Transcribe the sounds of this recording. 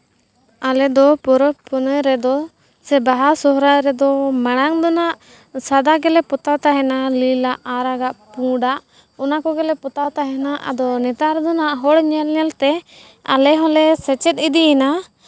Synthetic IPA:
alɛd̪ɔpɔɾɔpɔnəjɾɛd̪ɔ | sɛbaɦasɔɾaʔɾɛd̪ɔmaɽ̃aŋd̪ɔnaʔ | sad̪aɡɛlɛpɔt̪awt̪aɦɛnalilaʔaɾaɡaʔpũɖaʔ | ɔnakɔɡɛlɛpɔt̪at̪aɦɛnaʔa̰d̪ɔnɛt̪aɾd̪ɔnaʔɦɔɽɲɛlɲɛlt̪ɛ | a̰lɛɦɔ̃lɛsɛt͡ʃɛt̪̚id̪iɛna

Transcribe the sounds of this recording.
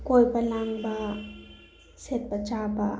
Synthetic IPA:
kojpɐlaŋba | set̪̚pɐt͡ʃaba

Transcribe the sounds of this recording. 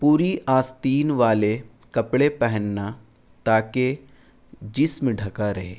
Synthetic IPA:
puːɾiʔaːst̪iːnʋaːle | kɐpɽepɛɦənːa | t̪aːke | d͡ʒɪsmɖʱɐkaɾɐɦḛː

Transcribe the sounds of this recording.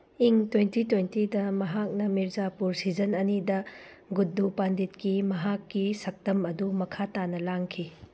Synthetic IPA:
iŋtwentitwentidɐmɐɦak̚nɐmiɾzapuɾsid͡ʒɐnɐnidɐ | ɡudːupanditkimɐɦakːisɐk̚tɐmɐdumɐkʰatanɐlaŋkʰi

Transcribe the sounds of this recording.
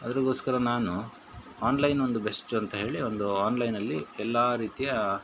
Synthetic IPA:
ɐd̪ɐɾiɡo̞ːskɐɾɐnaːnu | aːnlɐjno̞nd̪ube̞sʈuɐnt̪ɐɦe̞ːɭio̞nd̪uaːnlɐjnɐlːiɛlːaːɾiːt̪ijɐ

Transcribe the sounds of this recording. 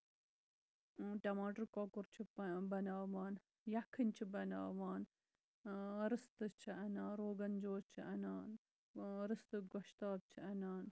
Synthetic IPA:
ʈɐmaːʈɐɾkɔːkuɾt͡ʃʰibɐnaːʋaːn | jɐkʰɨnʲt͡ʃʰibɐna̰ːʋaːn | ɾɨst̪ɨt͡ʃʰiʔɐnaːnɾoːɡɐnd͡ʒoːt͡ʃʰiʔɐnaːn | ɾɨst̪ɨɡɔʃt̪aːb̚t͡ʃʰiʔɐnaːn

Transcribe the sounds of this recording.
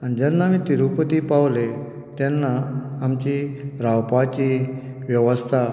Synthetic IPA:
añid͡ʑɛnːamĩt̪iɾupət̪iːpaʋle | t̪ɛnːaːmt͡ɕiɾawpat͡ɕi | ʋjəʋəst̪ʰa

